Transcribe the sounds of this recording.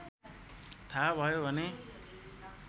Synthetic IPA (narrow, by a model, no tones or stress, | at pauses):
t̪ʰabʱʌjobʱʌne